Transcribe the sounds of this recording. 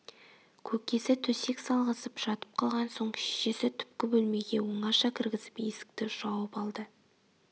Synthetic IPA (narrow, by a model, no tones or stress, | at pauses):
kʲʰɵkʲe̞sɪt̪ʰɵse̞ksɑlˠʁəsəpʒ̥ɑt̪ə̥p̚qʰɑlˠʁɑnso̞ŋkʲʰɪ̥ʃʃe̞sɪt̪ʰʏ̥pkʲɪbɵlme̞ɡʲe̞woɴɑʃɑkʲʰɪɾɡʲɪzɪ̥pjesɪ̥k̚t̪ɪʒ̥ɑwəpɑlˠd̪ə